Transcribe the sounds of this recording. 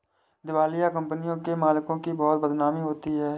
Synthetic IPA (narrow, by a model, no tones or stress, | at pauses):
d̪ɪwaːlɪjakə̃mpənɪjõkemaːlɪkõkibɔːt̪̚bəd̪naːmiɦoːt̪iɦɛː